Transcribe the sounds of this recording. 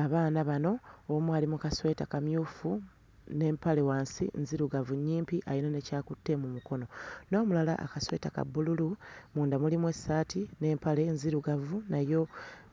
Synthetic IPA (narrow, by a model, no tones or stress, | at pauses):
aβaːnaβano̞ːmwaːlimukaswe̞ːtakamjuːfu | ne̞ːmpale̞waːnsḭnziɾuɡavuɲːiːmpiʔajino̞ne̞caːkutːe̞mumuko̞no̞no̞ːmulala̰ʔa̰kaswe̞̰ːtaka̰bːululumuːndamulimwe̞sːaːtine̞ːmpale̞nziɾuɡavunajo̞